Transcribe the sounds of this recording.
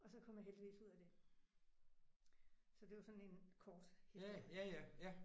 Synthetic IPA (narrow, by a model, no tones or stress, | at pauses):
ɒ̽sɒ̽kʰɒ̽m̰jaɦeld̥iʋḭːsuð̞̰ˠæd̥e̝ | sɒ̽d̥e̝ʋɑsɒ̽ne̝nkʰɒːd̥helæjæjæ